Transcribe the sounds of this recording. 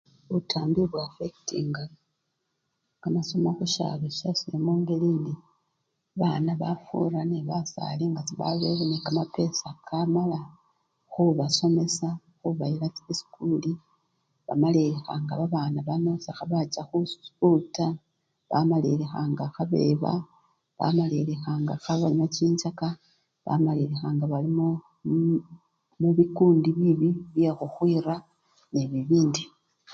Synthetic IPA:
utʰaːmbiβwafektḭŋɡa | kamasomaxuʃa̰βeʃasiemuːŋɡeliːndi | βanaβafṵɾaneβasa̰liŋɡat͡siβa̰βeβenekamape̞sakʰamala | xuβaso̞me̞sa | xuβailat͡siisi̥kuli | βa̰maleexa̰ŋɡaβaβaːnaβano̞sexaβat͡ʃaxuuta | βa̰malilexaːŋɡaxaβe̞̰βa̰ | βa̰malelexaːŋɡaxaβaɲat͡ʃiːɲt͡ʃaka | βa̰maliɾexaːŋɡaβalimo | muβikuːndiβiβiβjexuxwiːɾa | neβiβiːndi

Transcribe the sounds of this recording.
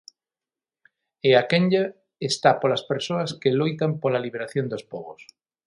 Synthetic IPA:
eakeɲʎa | est̪apolaspeɾsoɐskelojt̪ampolaliβ̞eɾaθjond̪ospɔɣos

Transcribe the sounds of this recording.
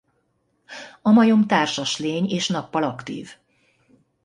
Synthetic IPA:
ɒmɒjo̞mt̪aːrʃɒʃleːɲeːʃnɒpːɒlɒkt̪ḭːv

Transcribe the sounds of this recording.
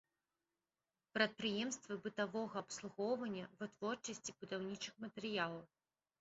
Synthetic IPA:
pɾɐt̪̚pɾɨjɛmst̪vɨbɨt̪avɔɣɐːpslˠuɣɔwvɐnʲːɐvɨt̪vɔrt͡ʂɐsʲt͡sʲibud̪awnʲit͡ʂɨxmɐt̪ɛɾɨjalˠɐw

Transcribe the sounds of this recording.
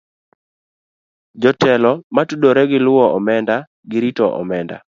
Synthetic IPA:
d͡ʒɔtɛlɔmatudoɾɛɡɪlʊɔɔmɛnda | ɡɪɾitɔʔɔ̰mɛnda̰

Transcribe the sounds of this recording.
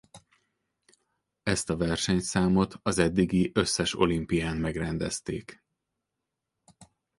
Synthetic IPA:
ɛst̪ɒvɛrʃɛɲt̪saːmo̞t̪ʰɒzɛd̪ːiɡiʔø̞sːɛʃo̞̰limpijaːnmɛɡrɛnd̪ɛ̰st̪ḛːk

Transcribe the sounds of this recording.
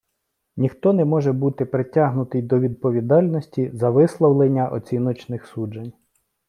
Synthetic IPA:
nʲixt̪ɔnɛmɔʒɛbut̪ɪpɾɪtʲɑɦnʊt̪ɪjd̪ɔʋʲid̪̚pɔʋʲid̪ɑlʲnɔsʲtʲizɐʋɪslˠɔwlˠenʲːɐʔɔ̰t͡sʲinɔt͡ʃnɪxsud͡ʒenʲ

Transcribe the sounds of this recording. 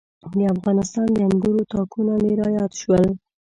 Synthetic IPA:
d̪əafɣɑnɪst̪ɑnd̪əamɡuɾot̪ɑkunomeɾɑjɑt̪ʃwəl

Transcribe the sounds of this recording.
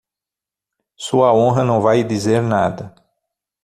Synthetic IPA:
suɐõɦɐnɐ̃w̃vajd̪izeɾnad̪ɐ

